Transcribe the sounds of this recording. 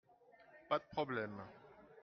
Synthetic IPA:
pat̪̚pʰχɔblɛma

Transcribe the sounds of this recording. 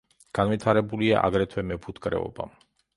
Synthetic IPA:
ɡ̥anvit̪ʰaɾɛbulia̰ʔa̰ɡɾɛt̪ʰwɛmɛpʰut̪ʰkʼɾɛ̰ɔ̰ba̰

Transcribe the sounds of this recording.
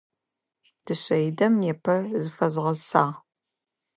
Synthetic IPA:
d̥ɨɕɐjdɐmjɛpʰɐzɨfɐzʁɐzsaːʁ

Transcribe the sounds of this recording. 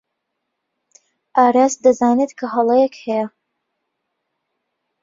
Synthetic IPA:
ʔaːɾasd̪ɐzaːnet̪kʰɐɦɐlˠejɛkhɛjɐ

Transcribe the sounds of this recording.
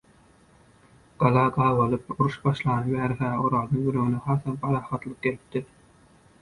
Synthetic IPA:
ɡ̥ɑlˠɑːɡɑːβɑlˠɯpuɾuʃbɑʃlˠɑːnɯbæːɾxæːoɾɑːd̪ɯŋjøløɣynexɑːθɑnpʰɑɾɑːχɑt̪lˠɯq̚ɡelip̚t̪iɾ

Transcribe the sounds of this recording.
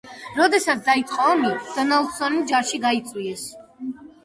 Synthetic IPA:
ɾɔd̪ɛsat̪sʰd̪ait̪sʼqʼɔɔmid̪̥ɔnald̪sɔnid͡ʒaɾʃiɡait̪sʼwiɛs

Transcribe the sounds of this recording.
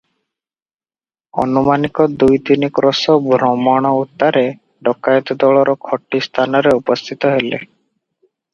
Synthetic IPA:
ɔ̰numanikɔd̪ujd̪inikɾɔsɔbʱɾɔmɔɽ̃ɔut̪ːaɾe | ɖɔkajɔt̪ɔd̪ɔɭɔɾɔkʰɔʈːist̪ʰanɔɾeupɔst̪ʰit̪ɔɦelḛ

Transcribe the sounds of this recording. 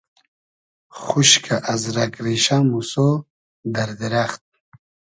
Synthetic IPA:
χuʃkʰaʔazɾakɾiʃamuso | d̪aɾd̪iɾaχt̪̚

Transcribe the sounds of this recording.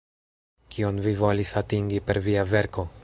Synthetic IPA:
kionvivo̞lisatiŋɡipe̞ɾviave̞ɾko̞

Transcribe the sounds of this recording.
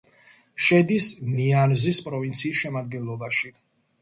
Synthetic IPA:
ʃɛd̪isnianzispʼɾɔvint̪sʰiːsʃɛmad̪̚ɡɛnlˠɔbaʃi

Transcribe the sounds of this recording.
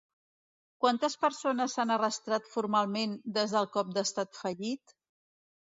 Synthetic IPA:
kwant̪əspəɾsonəsanərəst̪ɾat̪fuɾmalˠmend̪ezðəlˠkɔp̚d̪əst̪at̪fəʎit̪

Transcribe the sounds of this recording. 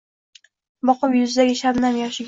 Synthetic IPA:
bɒqɨpjʊzɪd̪aɡʲɪʃaɾnamjɒʃɪɡʲ

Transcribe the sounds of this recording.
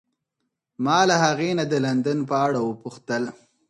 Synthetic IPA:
mɑlaɦaɣenad̪əland̪anpəaɽawəpʊxt̪əl

